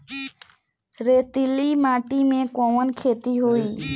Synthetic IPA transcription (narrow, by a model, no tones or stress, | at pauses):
ɾeːt̪iliːmaːʈiːmẽːkõːʋənkʰeːt̪iɦoiː